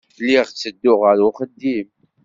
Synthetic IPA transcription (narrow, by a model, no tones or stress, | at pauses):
lːiʁt͡sːəd̪ːʊʁəɾʊχəd̪ːim